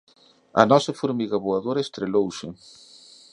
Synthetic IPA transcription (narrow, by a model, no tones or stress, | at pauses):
ɐ̰nɔsɐfoɾmiɣɐβoaðoɾɐest̪ɾelowsɪ